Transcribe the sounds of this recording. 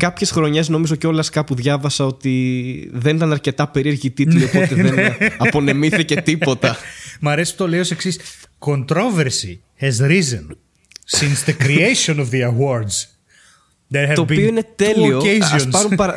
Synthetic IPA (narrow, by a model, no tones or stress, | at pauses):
kɐpçe̞sxɾo̞ɲe̞zno̞mizo̞ceo̞lɐskɐpuðʝɐvɐsɐo̞t̪iðe̞nit̪ɐnɐɾce̞t̪ɐpe̞ɾieɾʝit̪it̪iopot̪eðenɐpo̞nemiθice̞t̪ipo̞t̪ɐmɐɾesi̥pu̥t̪oleioseksis | kont̪ɾoveɾsḭ | hɛzɾizẽn | sĩnsðəkɾiejʃõnovðiɐwoɾd̪z | ðet̪oːpio̞ine̞t̪e̞lio̞ezɐsnɐɾunpɐɾɐ